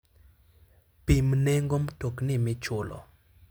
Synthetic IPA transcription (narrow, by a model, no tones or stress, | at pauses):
pimnɛŋɡomtoknɪmɪt͡ʃʊlɔ̰